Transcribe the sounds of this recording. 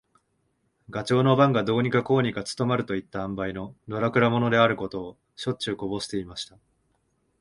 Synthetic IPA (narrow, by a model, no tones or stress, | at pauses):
ɡat͡ɕo̞ːno̞bãŋɡad̪o̞ːɲ̟ikako̞ːɲ̟ikat͡sɨ̥t̪o̞maɾɯ̟t̪o̞it̪ːaãmbaino̞d̪o̞ɾakɯ̟ɾamo̞no̞d̪e̞aɾɯ̟ko̞t̪o̞ː | ɕo̞tt͡ɕɨːko̞bo̞ɕi̥t̪e̞imaɕi̥t̪a